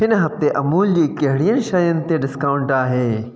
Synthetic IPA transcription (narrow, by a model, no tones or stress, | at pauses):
ɦɪnɦɐft̪eʔɐmuːld͡ʑiːkɐɦɪɽijənɪ̆ʃɐjənɪ̆t̪eɖɪskaːʊ̃ɳʈaːɦeː